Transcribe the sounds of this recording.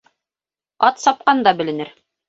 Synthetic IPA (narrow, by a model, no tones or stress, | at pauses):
ɑt̪sɑp̚qɑnd̪ɑbɘ̆lɘ̆nɘɾ